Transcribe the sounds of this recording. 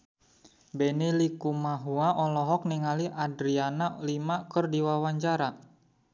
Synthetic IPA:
bɛnilikumaɦuaʔɔlɔɦɔk̚niŋaliʔadɾianalimakərdiwawaɲt͡ʃaɾa

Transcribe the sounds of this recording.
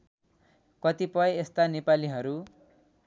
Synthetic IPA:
kʌt̪ipʌjest̪anepaliɦʌɾu

